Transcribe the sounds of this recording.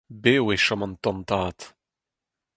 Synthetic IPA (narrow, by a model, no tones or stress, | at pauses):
beːweʃɔmãnt̪ɔ̃nt̪aːt̪